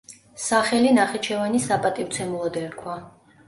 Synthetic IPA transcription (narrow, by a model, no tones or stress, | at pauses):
saχɛlinaχɛt͡ʃʰɛvanisapʼat̪ʼiwt̪sʰɛmulˠɔd̪ɛɾkʰwa